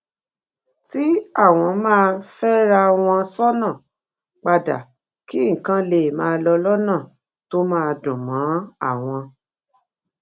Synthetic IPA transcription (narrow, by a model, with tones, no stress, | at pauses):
ti˦a˦˨w̃ɔ̃˧mãː˦˧fɛ˦ɾa˧w̃ɔ̃˧sɔ˦nã˦˨ | k͡pa˧da̰˨ | ki˦ŋ̩˨kã˧˦le˦˨mãː˧lɔ˧lɔ˦nã˦˨ | to˦mãː˦˧dũ˨mã˨˦a˦˨w̃ɔ̃˧